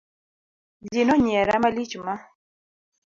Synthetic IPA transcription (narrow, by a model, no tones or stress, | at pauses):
linɔɲɛɾamalit͡ʃuma